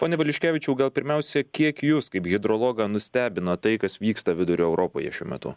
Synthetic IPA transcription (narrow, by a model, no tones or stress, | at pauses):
poːnʲɛʋɐlʲɪʃʲkʲæːʋʲɪt͡ʃʲɛʊɡɐlˠpʲɪɾʲmʲɛʊsʲɛkʲiɛkjʊskɐɪpɣʲɪd̪ɾoːlˠoːɡɐnʊsʲt̪ʲæːbʲɪnɐt̪ɐɪkɐsʋʲiːkst̪ɐʋʲɪd̪ʊɾʲʊːɛʊɾʔoːpoːjɛ̰ʃʲuɔmʲɛ̰t̪ʊ̰